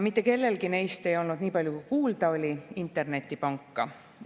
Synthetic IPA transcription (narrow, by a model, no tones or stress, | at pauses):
mit̪ːˑe̞ke̞lːe̞lɡine̞jst̪e̞jo̞lnud̪̥niːpɑlʲjukukuːld̪̥ɑo̞lʲiint̪ːˑe̞rne̞t̪ʲˑːipɑŋkːɑ̰